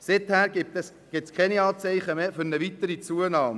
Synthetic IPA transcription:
sɪt̪hæːɾɡɪp̚t̪ɛs | ɡ̥ɪp̚tskʰɛniɑːt͡sɛɪχəmeːfʏɾnəʋit̪əɾit͡suənɑːmə

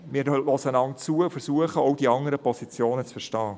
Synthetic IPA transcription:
mɪːlɔsənɑŋt͡suəfəɾsuəχəɔʊdiɑŋəɾəpɔsit͡sjoːnət͡sfəɾʃtɑː

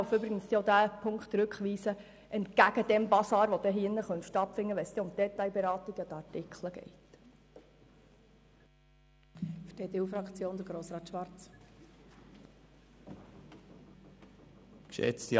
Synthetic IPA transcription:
føbɾɪɡənsodæːpʰʊŋkχt̪ɾʉkχʋiːsə | ʔɛntɡ̥æɡ̥əd̥ɛmbɑsɑːɾʋod̥̪ɛɦɪnːəχœntʃtɑtfɪŋːəʋɛsd̪ɛʊmd̥̪ɛtːɑjbɛɾɑːt̪iɡ̥ɑd̪əɑɾtɪkχləɡ̥ɛ̰ɪt | fəd̥eːd̪eufɾɑkt͡sjoːnd̪əɾɡɾoːsɾɑːt̪ʃʋɑɾt͡s | kʃɛ̰t͡sti

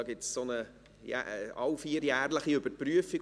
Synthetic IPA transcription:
ɡɪtssonə | jæ̰ɑwfiːəɾjæːrləχiʏbəpryəfiɡ

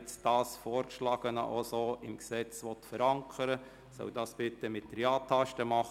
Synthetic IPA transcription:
t͡sd̥ɑːsfɔːɾkʃlɑːɡ̥ənə̰ʔosoːɪmksɛt͡sʋɔt̪fəɾɑŋkʰəɾə | sœ̰ʊd̥ɑːsb̥ɪt̪ːəmɪtːəɾjɑːtʰːɑʃtəmɑχ

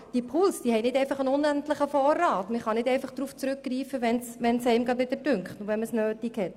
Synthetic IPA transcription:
d̥ipʰʊlsd̥iːhɛɪnɪtdɛɪfɑχənʊnæntləχəfɔːrːɑːtməχɑnɪdɛɪnfɑχd̥ɾuːft͡sɾʉkɡriːfəʋɛnsʋɛnsɛɪmɡɾɑdʋɪd̥̪əɾdʏŋkχtnoʋɛnməsnøːtikhɛt

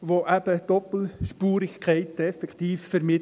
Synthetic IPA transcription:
ʋoʔæb̥əd̥ɔpl̩ʃpuːɾɪçkʰɛɪtɛfɛkt̪iːffəɾmɪ

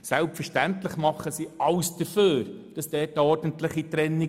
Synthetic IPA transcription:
sɛlpfəɾʃtæntlɪχmɑχːəsiʔɑwsd̥əɾføːɾd̥ɑsd̥ɛːtəɔɾdəntlɪχitɾɛnːi

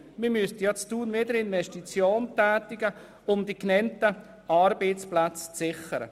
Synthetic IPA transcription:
miːmystjɑt͡stuːnvedəɾɪnvɛʃtit͡sjoːntæːtɪɡə | ʊmdiknɛntə | ɑɾbet͡splat͡st͡sɪχəɾə̰

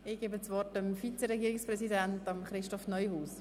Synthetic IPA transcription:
ɪɡ̥eːbət͡sʋɔrtəmfit͡sɛɾɛɡiːɾɪkspɾɛsidæntɑmχɾɪʃtɔfnœʏhuːs

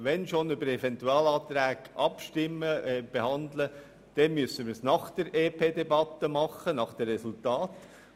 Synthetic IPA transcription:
ʋɛnʃonʏbəɾɛvɛnt̪uɑːlɑːt̪ɾæːɡʔɑpʃtɪmːəɛb̥ehɑnd̪lə | d̥ɛnmyəsəmɪɾsnɑχd̥əɾeːpʰeːdebɑt̪əmɑχːənɑχd̥ɛrɛsult̪ɑːt̪

